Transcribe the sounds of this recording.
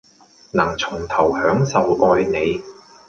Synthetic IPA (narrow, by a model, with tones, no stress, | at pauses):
nɐ˨˩ŋt͡sʰʊ˨˩ŋt̪ʰɐ˨˩whœː˨˥ŋsɐ˨wʔɔː˧jne˨˧j